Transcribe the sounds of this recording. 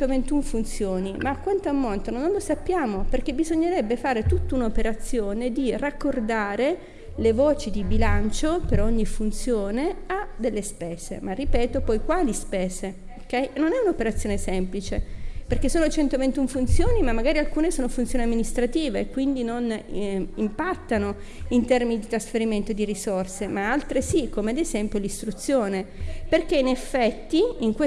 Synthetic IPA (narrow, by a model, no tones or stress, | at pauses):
ovent̪uɱfunt̪sjoːnimaːkwant̪oamːont̪ononõnlosapːjaːmoperkebizoɲːeɾɛbːefaːɾet̪ut̪ːounopeɾat̪sːjoːned̪irakːord̪aːɾe | levoːt͡ʃid̪ibilant͡ʃopeɾoɲːifunt̪sjoːnead̪elːespɛːz̥ḛmarːipɛːt̪opɔjkwaːlispɛːze | okːɛjnonɛunaopeɾat̪sːjoːnesɛmplit͡ʃeperkesoːnot͡ʃɛnt̪ovent̪uɱfunt̪sjoːnimamːaɡaːɾialkuːnesoːnofunt̪sjoːneamːinist̪ɾat̪iːveːkːwind̪inon | impat̪ːano | int̪ɛrminid̪it̪ɾasfeɾiment̪od̪iɾisorsemaalt̪ɾesikːomead̪ezɛmpjolist̪ɾut̪sjoːneperk̟einefːɛt̪ːiiŋkwe